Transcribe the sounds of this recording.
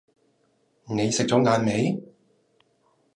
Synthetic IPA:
ne˨˧jsɪ˨k̚t͡ɕɔː˨˥ŋaː˨˧nme˨˥j

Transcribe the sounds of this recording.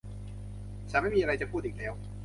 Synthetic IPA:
saː˩˦ma˥˩jmiː˧a˧ɾa˧jt͡ɕa˨˩pʰuː˥˩t̪̚iː˨˩k̚lɛː˦˥w

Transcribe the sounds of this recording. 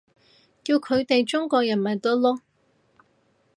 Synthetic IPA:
kiː˧wkʰɵ˨˧ɥt̪e˨jt͡sʊ˥ŋkɔː˧k̚jɐ˨˩nmɐ˨˩jt̪ɔ˥lɔː˥

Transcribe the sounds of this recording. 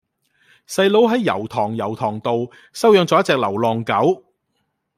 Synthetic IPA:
sɐ˧jlo˨˥wɦɐ˨˥jːɐ̰˨˩wt̪ʰɔː˨˩ŋjɐ˨˩wt̪ʰɔː˨˩ŋt̪o˨w | sɐ˥wjœː˨˧ŋt͡sɔː˨˥jɐ˥t͡sɛː˧k̚lɐ˨˩wlɔː˨˩ŋkɐ˨˥w

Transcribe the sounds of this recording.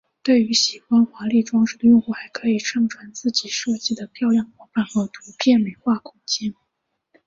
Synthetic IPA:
t̪we˥˩ɪy˧˥ɕi˨˩xwa˥nxwa˧˥li˥˩ʈ͡ʂwɑ˥ŋʂ̩˥˩d̪ə˧jʊ˥˧ŋxu˥˩xa˧˥ɪkʰɤ˧˥i˨˩ʈ͡ʂʰɤ˥ŋʈ͡ʂʰwa˧˥nt͡sɹ̩˥˩t͡ɕi˨˩ʂɤ˥˩t͡ɕi˥˩d̪ə˩p̪ʰjɑ˥˧ʊjɑ˥˩ŋxwa˧˥fa˥˩nxɤ˧˥t̪ʰu˧˥pʰjɛ˥˩nme˨˩˥ɪxwa˥˩kʰʊ˥ŋt͡ɕjɛ˥n

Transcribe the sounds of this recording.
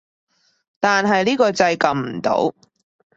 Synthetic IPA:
t̪aː˨nɦɐ˨jliː˥kɔː˧t͡sɐ˧jkɐ˨mm̩˨˩t̪o̰˨˥w

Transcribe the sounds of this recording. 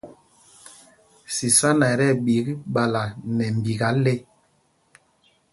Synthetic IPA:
si˨sa˦na˨ɾɛ˦˨ɓi˨˦kɓa˨la˨nɛ˨m˨bi˨ɡa˨˦le˦

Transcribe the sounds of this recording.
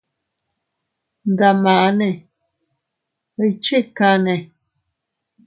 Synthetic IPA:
n˨da˨mã˨ʔa˦nɛ̃˨ | ə˨jt͡ʃe˦˨ka˧˦nɛ̃˨

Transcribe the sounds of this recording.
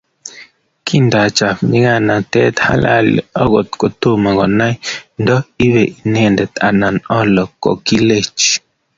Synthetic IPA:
kʰi˦nda˨t͡ʃa˨fni˦ɡa˦˨na˨tɛ̰˦t̪ha̰˦la̰˦˨lḭ˨ɔ˦ɡɔ˨t̪ko˨t̪o˦ma˨ɡɔ˨na˦i˦ndɔ˦i˦βe˨ʔi˨nɛ˦˨ndɛ˨t̪a˨na˨nɔ˦lɔ˨kɔ̰˨ki˦le˦˨t͡ʃ

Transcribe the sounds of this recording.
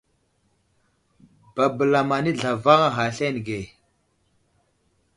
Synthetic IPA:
ba˨bə˨la˨ma˨ni˦ɮa˨va˦ŋa˦ɦa˨ɬe˦n˨ɡe˨

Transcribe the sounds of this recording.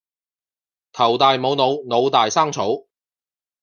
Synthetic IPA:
t̪ʰɐ˨˩wt̪aː˨jmo˨˧wno˨˧wno˨˧wt̪aː˨jsaː˥ŋt͡sʰo˨˥w

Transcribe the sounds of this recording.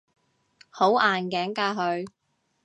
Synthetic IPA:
ho˨˥waː˨nkɛː˨˥ŋkaː˧ɦɵ˧ɥ

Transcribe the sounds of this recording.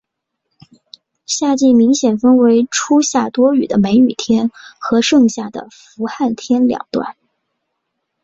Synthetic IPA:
ɕja˥˧t͡ɕi˥˩nmi˧˥ŋɕjɛ˨˩nfə˥nwe˧˥ɪʈ͡ʂʰu˥ɕja˥˩t̪wɔ˥y˨˩d̪ə˦me˧˥ɪy˨˩t̪ʰjɛ˥nxɤ˧˥ʂɤ˥˧ŋɕja˥˩d̪ə̰˩fu˧˥xa˥˩nt̪ʰjɛ˥nljɑ̰˨˩ŋt̪wa̰˥˩n

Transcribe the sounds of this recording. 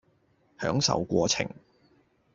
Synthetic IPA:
hœ̰ː˨˥ŋsɐ̰˨wkʷɔː˧t͡sʰɪ̰˨˩ŋ

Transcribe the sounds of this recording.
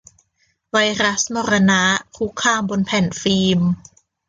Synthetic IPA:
wa˧jɾa˦˥smɔː˧ɾa˧na˦˥kʰu˦˥kʰːaː˧mbo˧npʰɛ˨˩˦nfiː˧m

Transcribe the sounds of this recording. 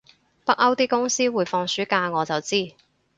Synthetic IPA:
pɐ˥k̚ɐ˥wt̪iː˥kʊ˥ŋsiː˥wuː˨˧jfɔː˧ŋsyː˨˥kaː˧ŋɔː˨˧t͡sɐ˨wt͡siː˥

